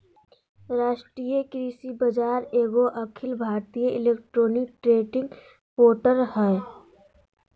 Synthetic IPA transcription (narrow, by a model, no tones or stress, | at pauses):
ɾaːʃʈɾijekɾiːsibəd͡ʒaːɾeːɡoʔɐkʰɪlbʱaːɾt̪ijəʔɪleːkʈɾoːnɪk̚ʈɾeːʈɪ̃ŋɡ | poːʈəɾɦɛ